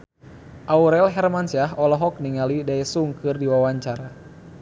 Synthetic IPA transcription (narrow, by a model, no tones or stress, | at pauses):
ʔauɾɛlɦɛrmansaɦɔlɔɦɔk̚niŋalidaɛsuŋkɨrdiwawaɲt͡ʃaɾa